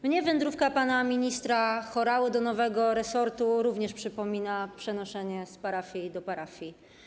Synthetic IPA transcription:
mɲɛvɛnd̪ɾufkapanamʲiɲist̪ɾaxɔɾawɘd̪ɔnɔvɛɡɔɾɛsɔɾt̪uɾuvɲɛʂpʂɘpɔmʲinapʂɛnɔʂɛɲɛspaɾafʲjid̪ɔpaɾafʲji

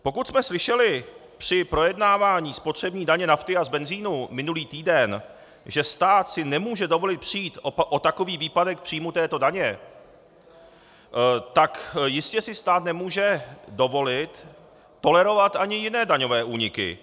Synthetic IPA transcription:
po̞kut̪smɛslɪʃɛlɪ | pr̝̥ɪpɾo̞jɛdnaːvaːɲiːspot̪r̝̥ɛbɲiːdaɲɛnaft̪ɪazbɛnziːnumɪnuliːt̪iːdɛn | ʒɛst̪aːt̪sɪnɛmuːʒɛdo̞vo̞lɪt̪̚pr̝̥ijiːt̪ʔot̪ako̞viːviːpadɛk̚pr̥iːmut̪ɛːt̪o̞daɲɛ | t̪akjɪscɛsɪst̪aːt̪nɛmuːʒɛdo̞volɪt̪ː | o̞lɛɾo̞vat̪ʔaɲɪjɪnɛːdaɲo̞vɛːʔuːɲɪkɪ̰

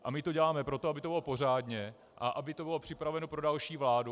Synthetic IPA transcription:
ʔamɪt̪oɟɛlaːmɛpɾo̞t̪oabɪt̪obɪlopo̞r̝aːdɲɛ | ʔaʔabɪt̪o̞bɪlo̞pr̥ɪpɾavɛnopɾo̞dalʃiːvlaːdu

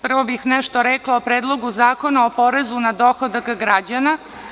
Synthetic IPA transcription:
pr̩ʋobixnɛʃt̪oɾɛklˠaopɾeːd̪lˠo̞ɡuzaːko̞naopo̞ɾezunad̪o̞xod̪akɡɾad͡ʑana

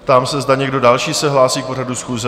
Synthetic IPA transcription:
pt̪aːmsɛzdaɲɛɡdo̞dalʃiːsɛɦlaːsiːk̚po̞radusxuːzɛ

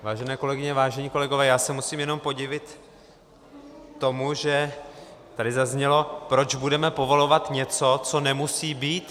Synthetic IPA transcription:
vaːʒɛnɛːko̞lɛɡɪɲɛvaːʒɛɲiːko̞lɛɡo̞vɛːjaːsɛmusiːmjɛno̞mpo̞ɟɪvɪt̪ | o̞muʒɛ | t̪adɪzazɲɛlo̞pɾo̞d͡ʒbudɛmɛpo̞vo̞lo̞vat̪ɲɛt͡so̞t͡so̞nɛmusiːbiːt̪

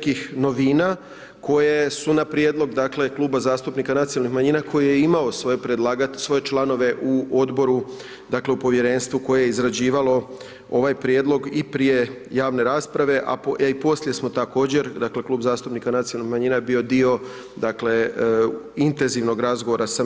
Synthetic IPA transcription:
kixno̞ʋiːna | ko̞jesunapɾjeːd̪lˠo̞ɡd̪akle̞klˠuːbazaːst̪upnikanat̪siolnixmaɲinakʰo̞jije̞imao̞soepɾed̪lˠaːɡasʋo̞je̞t͡ʃlˠano̞ʋe̞ʔuo̞d̪bo̞ɾu | d̪akle̞upo̞ʋje̞ɾe̞nst̪ʋuko̞je̞jeizɾad͡ʑiːʋalo̞ | o̞ʋajpɾjed̪lo̞ɡipɾije̞jaːʋne̞ɾaːspɾaʋe̞ʔa̰poʔipo̞slje̞smo̞t̪ako̞ːd͡ʑe̞ɾd̪akle̞kluːbzaːst̪upnikanat̪sijolnihmaɲiːnajbio̞d̪io̞ | d̪akle̞ | int̪e̞nziʋno̞ɡɾazɡoʋo̞ɾasa

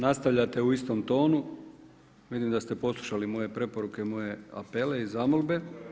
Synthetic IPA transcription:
nast̪aʋʎat̪e̞uist̪o̞mt̪o̞ːnu | ʋid̪imd̪ast̪e̞po̞slˠuʃalimo̞je̞pɾe̞po̞ɾukemo̞je̞a̰pe̞le̞izamolˠbe̞

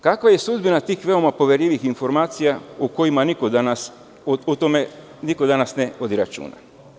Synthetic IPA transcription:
kakʋaje̞sud̪binat̪iːxʋe̞o̞mapo̞ʋjeɾʎiʋixinfo̞ɾmaːt̪sijauko̞jimanikod̪anas | ut̪ome | nikod̪anasneod̪iɾat͡ʃṵːna̰

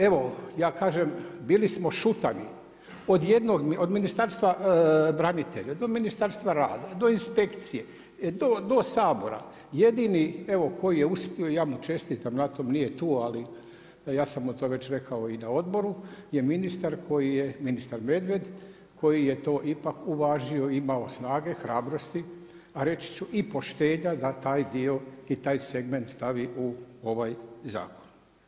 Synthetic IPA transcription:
e̞ʋo̞jaːkaːʒembiːlismo̞ʃut̪ani | o̞d̪je̞d̪no̞ɡmio̞d̪minist̪aɾst̪ʋabɾanit̪e̞̰ʎad̪o̞minist̪aɾst̪ʋaɾa̰ːd̪ad̪o̞inspe̞kt̪sije̞ | d̪o̞d̪o̞saːbo̞ɾa̰ | je̞d̪inie̞ʋo̞kʰo̞jije̞uspioijaːmut͡ʃe̞st̪it̪amnat̪omnije̞t̪uːali | jaːsamot̪oːʋe̞t͡ɕɾe̞kʰaoinao̞d̪bo̞ɾuje̞minist̪aɾkʰo̞jijeminist̪aɾme̞d̪ʋe̞d̪ | kʰo̞jije̞t̪o̞ːʔipakuʋaːʒio̞imao̞snaːɡe̞xɾaːbɾo̞st̪i | aɾe̞t͡ɕi̥t͡ɕuʔipo̞ʃt̪e̞ːɲad̪at̪aːjd̪io̞it̪aːjse̞ɡme̞nt̪st̪aʋiuo̞ʋajza̰ːko̥n

